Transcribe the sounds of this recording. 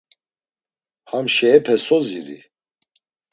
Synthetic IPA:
hamʃɛːpʰɛsɔziɾḭ

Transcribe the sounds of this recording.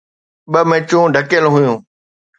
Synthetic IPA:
ɓəmẽːt͡ɕũːɖʱəkjəlɦʊjũː

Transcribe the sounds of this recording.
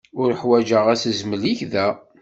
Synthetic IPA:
ʊɾəħwæd͡ʒəʁæsəzməliçðæ

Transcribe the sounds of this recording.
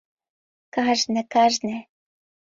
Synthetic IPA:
kɑʒnĕkɑʒnĕ

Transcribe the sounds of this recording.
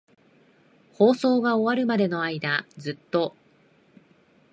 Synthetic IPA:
ho̞ːso̞ːɡao̞βaɾɯ̟mad̪e̞no̞aid̪azɨt̪ːo̞

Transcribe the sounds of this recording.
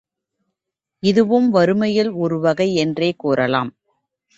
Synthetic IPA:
ɪðɯʋɯmʋɐɾɯmɐjɪlɔɾɯʋɐɣɐɪɛndreːkuːɾɐla̰ːm

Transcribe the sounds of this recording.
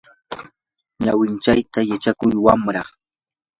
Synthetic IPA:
ɲawɪnt͡ʃajt̪ajat͡ʃakʊjwamɾa

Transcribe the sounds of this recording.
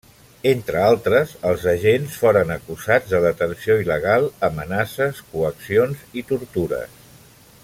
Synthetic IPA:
ent̪ɾəalˠt̪ɾəzəlˠzəʒensfoɾənəkuzad͡zðəðət̪ənsioiləɣ̞alˠəmənasəskuəksionzit̪uɾt̪uɾə̰s

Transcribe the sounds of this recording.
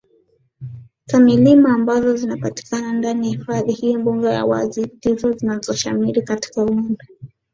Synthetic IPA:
zamilimaːmbazɔzinapati̥kanandaniahifaðihijɔmbuŋɡɛja̰wa̰zitizɔzinazɔʃamiɾikati̥kauindɔ

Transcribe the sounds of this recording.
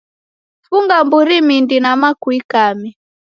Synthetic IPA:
fuŋɡambuɾimindinamakwikami

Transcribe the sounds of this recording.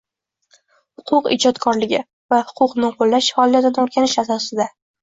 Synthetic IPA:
hʊqʰʊqɪ̰d͡ʒɒt̪kʰɒɾlɪɡʲɪ | vahʊ̥qʰʊqnɪqʰolːaʃfɒlˠijat̪ɪnɪoɾɡʲanɪʃasɒsɪd̪a

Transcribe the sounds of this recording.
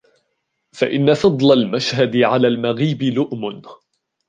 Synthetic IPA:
fa̰ʔɪnːafɑd̪ˤlalmaʃhad̪ɪʕalaːlmaɣiːbɪlʊʔmʊn

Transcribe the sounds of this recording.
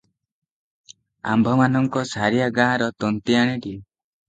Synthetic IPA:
a̰mbʱɔmanɔŋkɔsaɾijaɡaɦɾɔt̪ɔnt̪iaɽ̃eɖi

